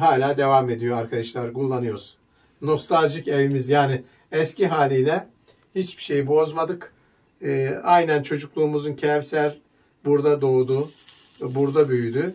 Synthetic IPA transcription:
ɦaːlʲaːd̪e̞vame̞d̪ijo̞aɾkʰad̪aʃlˠaɾɡulˠːanɯjoɾz̥ | no̞st̪ʰalʲʒice̞vimizjaːnɪ | ɛsciɦaːlʲiːlʲɛ | hit͡ʃbi̥ʃe̞jibo̞zmad̪ɯkː | ajnænt͡ʃʰo̞d͡ʒuklˠuːmuzuncʰɛvsæɾ | buɾd̪ad̪o̞d̪u | buɾd̪abyjyd̪y

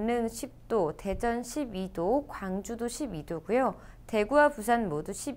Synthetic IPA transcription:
nɯŋɕʰip̚t͈ote̞d͡ʑʌnɕʰibidokwaŋd͡ʑudoɕʰibidoɡujo | te̞ɡuwapus̬ʰanmoduɕʰib

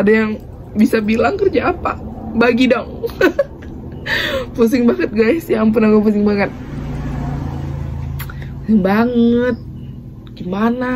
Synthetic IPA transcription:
adajaŋ | bisabilaŋkərd͡ʒaːpabaɡidɔŋ | pus̬ɪŋbaŋət̪̚ɡajsjampʊnakapusɪŋbaŋət̪̚ | pusɪŋbaŋət̪̚ | ɡ̥imana

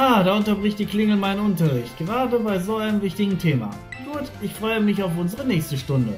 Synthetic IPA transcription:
aːdaːʔʊntɐbʁɪçt̚d̥iːklɪŋl̩maɪnənʊntɐʁɪçt̚ɡ̥əʁaːdəbaɪzoːaɪnəmvɪçtɪɡŋ̩tʰeːma̰ | ɡ̥uːtʔɪçfʁ̥ɔʏəmɪçaʊfʔʊnzəʁənɛːçstəʃtʊndə

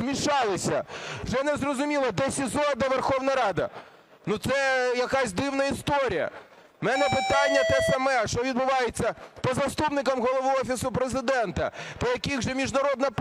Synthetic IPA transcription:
mʲiʃɑlˠɪsʲɐwʒɛnɛzrɔzʊmʲilˠɐd̪ɛsʲizɔd̪ɐʋerxɔwnɐɾɑd̪ɐ̰ | nut̪sɛjɐkɑsʲd̪ɪwnɐist̪ɔɾʲijɐ̰ | mɛnɛpɪt̪ɑnʲːɐt̪ɛsɐmɛʃt͡ʃɔʋʲid̪bʊʋɑjet͡sʲːɐpɔzɐst̪upnɪkɐmɦɔlˠɔʋuɔfʲisʊpɾezɪd̪ɛnt̪ɐt̪ɐjɐkʲiɣʒɛmʲiʒnɐɾɔd̪nɐp

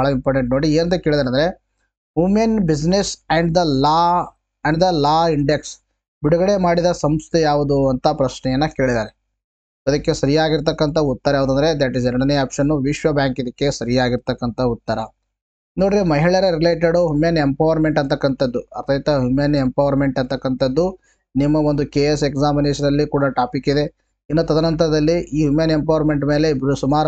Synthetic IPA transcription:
baːɭɐimpoːɾʈeɳʈ̚noːɽieːɾɐnd̪ekeɭid̪aːɾɐnd̪ɐɾe | ɦumenbid͡ʒnesɛɳɖd̪ɐlaː | ɛɳɖd̪ɐlaːiɳɖeks | biɽuɡɐɽe̞maːɽid̪ɐsɐmst̪ʰɛjaːʋud̪uɐnt̪ʰɐpɾɐʃnɛjɐnːɐkeːɭid̪aːɾe | ɐd̪ɐkːesɐɾijaːɡiɾt̪ɐkːɐnt̪ʰɐut̪ːɐɾɐaːʋd̪ɐnd̪ɐɾed̪æʈizeɾɐɽɐniaːpʂɐnːuʋiʃʋɐbjaːŋkid̪ɐkːe̞sɐɾijaːɡiɾt̪ɐkːɐnt̪ʰɐut̪ːɐɾɐ | noːɽiɾimɐɦiɭɐɾeɾileːʈ̬eɖuɦumenempɐːʋɐɾme̞ɳʈɐnt̪ɐkːɐnt̪ɐd̪ːuɐt̪ʰɐjt̪ɐɦumenempɐʋɐɾme̞ɳʈɐnt̪ɐkːɐnt̪ɐd̪ːu | nimːɐʋond̪ukeːesekzaːminesɐnɐlːikuːɽɐʈaːpikid̪e̞ | inːoːt̪ɐd̪ɐnɐnt̪̬ɐɾɐd̪ɐlːiʔiːɦumenempɐʋɐɾme̞ɳʈme̞ːlebɾusumaːɾ

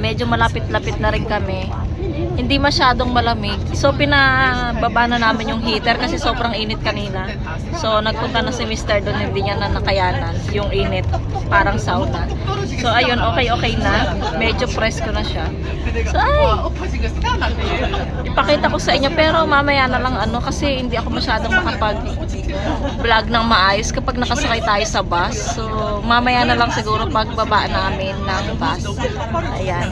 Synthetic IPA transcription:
mɛd͡ʒo̞mɐlapɪt̪̚lɐpɪt̪̚nɐɾɪnkɐmɛ | hɪnd̪imɐʃaːd̪o̞ŋmɐlɐmɪɡ̚so̞pɪnɐbabaːnɐnaːmɪnjʊŋɦiːt̪ɛɾkɐsɛso̞ːbɾɐŋʔiːnɪt̪̚kɐniːnɐ | so̞nɐɡ̚pʊnt̪ɐnɐsɪmist̪ɛɹd̪onhɪnd̪iɲanɐnɐkɐjaːnɐnjʊŋʔiːnɪt̪̚ | paːɾɐŋsawd̪ɐ | so̞ʔɐjo̞nʔo̞ːkɛjʔo̞ːkɛjnɐmɛːd͡ʒo̞pɾɛskonɐʃa | soʔaj | ʔɪpɐkiːt̪ɐko̞sɐʔɪɲːo̞pɛːɾo̞mamɐjanɐlɐŋɐno̞kɐsɛhɪnd̪iʔɐko̞mɐʃaːd̪oŋmɐkɐpɐɡ̚ | blaɡ̚nɐŋmɐʔaːjo̞skɐpɐɡ̚nɐkɐsɐkajt̪aːjo̞sɐbasːo | mamɐjaːnɐlɐŋsɪɡuːɾo̞pɐɡ̚bɐbaːʔnaːmɪnːɐŋbas | ʔɐjan

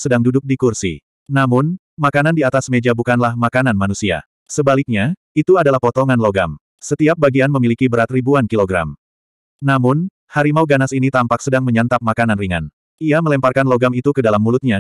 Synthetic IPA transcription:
sədaŋdudʊk̚dikursḭ | namʊn | makanandiat̪asmed͡ʒabukanlahmakananmanusia̰ | səbalik̚ɲa | it̪uadalahpɔt̪ɔŋanloɡam | sət̪iap̚baɡianməmilikibəɾat̪ribuankiloɡɾa̰m | namʊn | haɾimauɡanasinit̪ampak̚sədaŋməɲant̪ap̚makananriŋa̰n | iaməlɛmparkanloɡamit̪ukədalamːulʊt̪̚ɲa

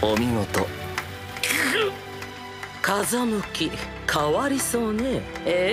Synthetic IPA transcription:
omʲiŋot̪o | k | kazamɯ̟kʲi | kʰaβaɾʲiso̞ːnee

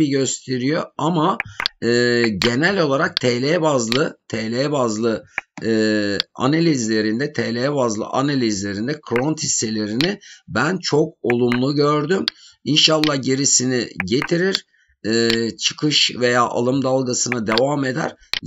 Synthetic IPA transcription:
iɟøst̪ʰe̞ɾijo̞amaː | ɟe̞nælʲo̞lˠaɾak̚t̪ʰelʲebazlˠɯt̪ʰelʲebazlˠɯ | a̰nalʲizlʲe̞ɾind̪ɛt̪ʰeːlʲeɛbazlˠɯ̰ʔanalʲizlʲe̞ɾind̪ɛkʰɾont̪hisːe̞lʲe̞ɾinibænt͡ʃʰo̞k̚o̞lˠumlˠuɟøɾd̪yminʃalˠːahɟeɾisiniɟe̞t̪ʰiɾiɾ̥ | t͡ʃʰɯ̥kʰɯʃve̞jaːʔa̰lˠɯmd̪alˠɡasɯnad̪e̞vaːme̞d̪æ̰ɾ̥

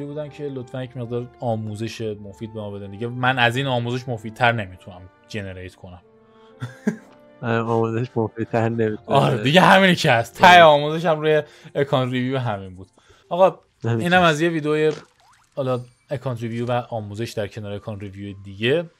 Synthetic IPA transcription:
ɾibuːd̪æncʰe̞lot̪fænjecʰme̞ɣd̪ɒːɾɒːmuːze̞ʃemo̞fiːd̪̚be̞mɒːbe̞d̪ænd̪iɟemænæziːnɒːmuːze̞ʃmo̞fiːd̪̚t̪ʰæɾne̞mit̪ʰunæm | d͡ʒe̞ne̞ɾejt̪ʰkʰo̞næm | ɒːmuzeʃmofid̪̚t̪ʰæɾnemit̪ʰunɒɾed̪iɟeɦæmiːnecʰeæst̪t̪ʰːæʔeɒːmuze̞ʃæmɾuːjeː | kʰɒnɾivjubeɦæminbuːd̪̥ | ɒɣɒ | æiːnæmæzje̞viːd̪eoːje | hɒlɒ | ekʰɒːnt̪ɾivijuvæʔɒːmuːze̞ʃd̪æɾcʰe̞nɒːɾeekʰɒnɾivijujed̪iɟe̞

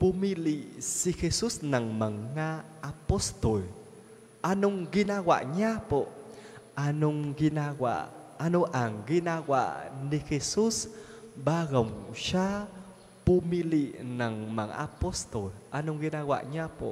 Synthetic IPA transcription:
pumilisixesusnaŋmaŋːaːpost̪ol | ʔanʊŋɡinaɡwa̰ʔɲapo | anuŋɡinaɡa̰ʔanuʔaŋɡinaɡwa̰ʔnixesusbaɣowŋʃa | pumiliʔnaŋma̰ŋa̰post̪olʔanʊŋɡinawa̰ʔɲapo̰

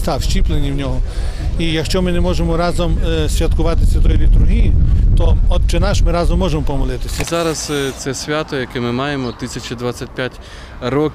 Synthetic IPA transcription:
st̪ɑwʃt͡ʃʲiplˠenʲiwnʲɔɦɔ | ijɐkʃt͡ʃɔmɪnɛmɔʒemɔɾɑzɔmsʲʋʲjɐt̪kʊʋɑt̪ɪsʲʋʲɐt̪ɔjʊlʲit̪uɾɦʲijʊt̪ɔɔd̪̚t͡ʃenɑʃmɪɾɑzɔmːɔʒemɔpɔmɔlˠɪt̪ɪsʲɐzɑɾɐst̪sɛsʲʋʲat̪ɔjɐkɛmɪmɑjemɔt̪ɪsʲɐt͡ʃid̪ʋat͡sʲːɐt̚ʲpʲjatʲ | ɾɔkʲ

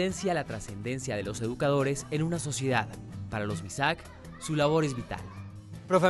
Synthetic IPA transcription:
ensjalat̪ɾase̞nd̪e̞nsjað̞e̞lo̞se̞ðukað̞o̞ɾe̞senunaso̞sje̞ðaðpaɾalo̞zmisak | sulaβ̞o̞ɾe̞zβit̪a̰l | pɾofe

